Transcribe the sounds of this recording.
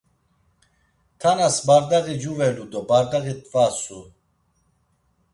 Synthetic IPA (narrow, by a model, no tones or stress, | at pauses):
t̪ʰanasbaɾd̪aɣid͡ʒuvɛlud̪ɔbaɾd̪aɣit̪ʼvasu